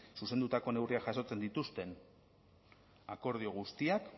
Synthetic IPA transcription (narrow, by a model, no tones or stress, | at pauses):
suse̞nd̪ut̪ako̞ne̞wriakʝaso̞t͡se̞nd̪it̪ust̪e̞n | ako̞ɾð̞io̞ɣ̞ust̪iak